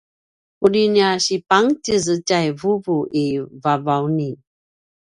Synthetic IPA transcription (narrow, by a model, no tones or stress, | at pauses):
udiniaɕipaŋtizəcajvuvuʔivavawni